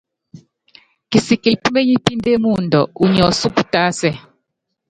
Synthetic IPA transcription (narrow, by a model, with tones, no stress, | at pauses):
ki˨si˨ki˨pu˦ŋe˦ɲi˦pi˦nde˦mu˦˨ndɔ˨u˨ɲɔ˨su˦ku˨ta˦sɛ˦˨